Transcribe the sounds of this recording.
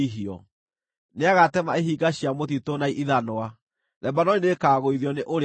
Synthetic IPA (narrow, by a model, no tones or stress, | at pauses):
iɦiɔ̰ | neaɣatɛmaeɦiːɡaɕiamotitonaiʔiðanoa | ðɛbanɔninekaːɣoiðiɔneʔoɾ